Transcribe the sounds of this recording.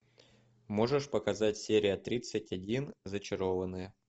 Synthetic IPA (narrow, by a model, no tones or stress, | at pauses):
mo̞ʐɨʂpəkɐzatʲsʲeɾʲɪjət̪ɾʲit̪sɨtʲɐdʲinzət͡ɕɪɾo̞vənɨjə